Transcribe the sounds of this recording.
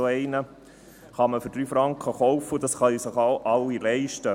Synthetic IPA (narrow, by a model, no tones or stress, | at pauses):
oɛɪnə | χɑməføɾd̥ɾyːfɾɑŋkχəχɔwfːəudɑsχɑisəχɑʔɑlːilɛɪʃtə